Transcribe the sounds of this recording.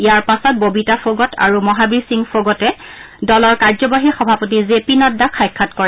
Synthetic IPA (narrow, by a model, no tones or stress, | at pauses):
ijaɹpasɔt̚bobitafʰoɡɔtʰa̰ɹumɔɦabiɹsiŋfʰoɡɔtɛ | dɔlɔɹkaɹzɔbaɦixɔbʱapot̬izepinɔdːakʰajkʰːatkɔɹɛ